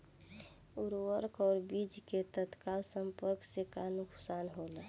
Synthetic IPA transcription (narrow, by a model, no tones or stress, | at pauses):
uɾwəɾkɔːɾbid͡ʒket̪ət̪kalsə̃mpəɾksekanʊkʰsaːnɦolə